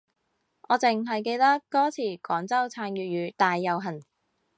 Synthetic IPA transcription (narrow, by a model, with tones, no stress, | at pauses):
ʔɔː˨˧t͡sɪ˨ŋɦɐ˨jke˧jt̪ɐ˥kːɔː˥t͡sʰiː˨˩kɔː˨˥ŋt͡sɐ˥wt͡sʰaː˧njyː˨t̚jyː˨˧˥t̪aː˨jːɐ˨˧wɦɐ˨˩n